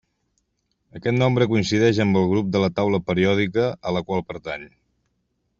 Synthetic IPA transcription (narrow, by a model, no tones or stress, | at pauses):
əkɛt̪nɔmbɾəkuinsiðɛʒəmbəlˠɣɾup̚d̪ələt̪awləpəɾiɔð̞ikəːləkwalˠpəɾt̪aɲ